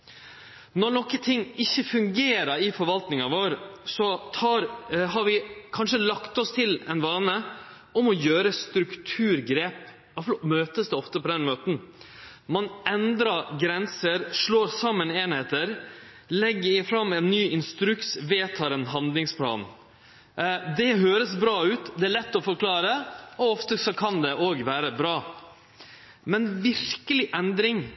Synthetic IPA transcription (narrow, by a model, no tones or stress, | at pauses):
nɔɾnɔkːət̪ʰɪŋːɪçːəfʉŋɡeːɾəɾɪfɔɾʋɑlt̪nɪŋɑʋoːɾsɔt̪ʰɑːɾɦɑɾʋɪkʰɑnʂəlɑkt̪ɔst̪ʰɪlɛnʋɑːnə | ɔmɔjøːɾəst̪ɾʉkt̪ʰʉːɾɡɾeːp | ɑflɔmøːt̪əsd̪ɛɔft̪əpʰɔd̪ɛnmøːt̪n̩ | mɑnɛnd̪ɾɑɾɡɾɛnsəɾʂɭoːɾsɑmːəneːnheːt̪əɾ | lɛɡːəɾɪfɾɑmːɛːnːyːɪnst̪ɾʉksʋeːt̪ʰɑːɾɛnɦɑnd̪lɪŋspʰlɑ̰ːn | d̪ɛɦøːɾəsbɾɑːʉːt̪d̪ɛæːɭɛt̪ːɔfɔɾkʰlɑːɾəɔɔft̪əsɔkʰɑnd̪ɛʔoːɡʋæːɾəbɾɑː | mɛnʋɪɾkəlɪʔɛnd̪ɾɪŋ